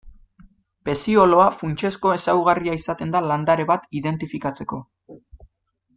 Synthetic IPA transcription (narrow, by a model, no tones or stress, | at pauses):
pe̞sio̞lo̞afunt͡ʃe̞sko̞e̞sawɣariaisat̪e̞nd̪aland̪aɾe̞βat̪iðe̞nt̪ifikat͡se̞ko̞